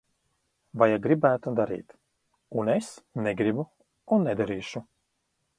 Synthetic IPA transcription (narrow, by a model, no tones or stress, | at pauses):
vajaɡɾibæːt̪ud̪aɾḭːt̪ | unesnɛɡɾibu | unːɛd̪aɾiːʃu